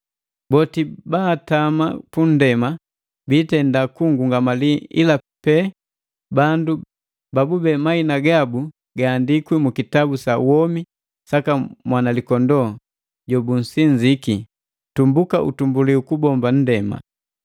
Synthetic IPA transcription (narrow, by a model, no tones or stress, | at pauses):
bɔtibaːtamapun̩dɛma | bitɛndakuŋɡuŋɡamaliḭlapɛ | bandu | babubɛmainaɡabu | ɡaːndikwimukitabusawɔmi | sakamwanalikɔndɔ | ɟɔbun̩siɲd͡ʒiki | tumbukaʔṵtumbuliukubɔmban̩dɛma̰